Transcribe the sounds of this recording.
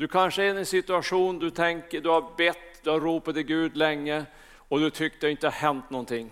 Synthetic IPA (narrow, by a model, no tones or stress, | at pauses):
d̪̥ɵkʰanʂəɛnɛnsɪt̪ɵaʂuːnd̪ɵt̪ʰɛŋkəɖ̪ɵhaɾbɛt̪ːd̪ɵhaɾɾuːpat̪ɪɡʉ̟ːd̪lɛŋːə | ɔd̪ɵt̪ʰʏkːt̪əɪnt̪əhaɦɛnt̪nɔnt̪ʰɪŋː